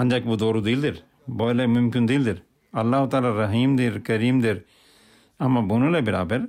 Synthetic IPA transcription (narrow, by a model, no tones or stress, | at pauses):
ɐ̃nd͡ʒakbud̪oːɾud̪ild̪iɾ | bɔːlɛmʊmkɪnd̪ild̪iɾ | ɐlːaːɦʊt̪aːlaɾɐɦiːmd̪iɾkɐɾiːmd̪iɾ | ɐmãbunulɛbɪɾa̰ːbɪɾ